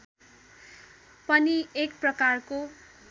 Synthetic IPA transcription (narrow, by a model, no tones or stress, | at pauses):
pʌniekprʌkarko